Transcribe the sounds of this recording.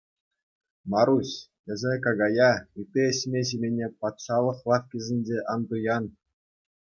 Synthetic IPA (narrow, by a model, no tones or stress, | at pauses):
mɑɾusʲ | ɘ̆zʲekɑɡɑjɑit̪eɘ̆ɕʲmʲeɕ̬imʲenʲepɑt̪ʂɑlˠɤ̆χlˠɑfkʲizʲɘ̆nʲd͡ʑʲeʔɑnd̪ujɑn